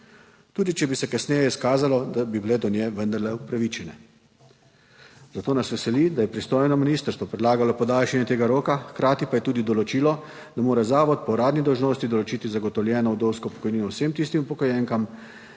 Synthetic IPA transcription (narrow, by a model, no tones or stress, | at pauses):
t̪uːd̪it͡ʃɛbisɛkasnɛːjɛiskaːzalɔd̪abibilɛd̪ɔnjɛʋənd̪ɐɾlɛupɾaʋit͡ʃɛnɛ | zat̪oːnasʋɛsɛlid̪ajɛpɾist̪oːjnɔminiːst̪əɾst̪ʋɔpɾɛd̪laːɡalɔpɔd̪aːlʃɛnjɛt̪eːɡaɾoːkaxkɾaːt̪ipajɛt̪uːd̪id̪ɔlɔt͡ʃiːlɔ | d̪amoːɾazaːʋɔt̪̚pɔɾaːd̪nid̪ɔwʒnoːst̪id̪ɔlɔt͡ʃit̪izaɡɔt̪ɔwljɛːnɔwd̪owskɔpɔ̥kɔjniːnɔwsemt̪ist̪imupɔkɔjɛŋkam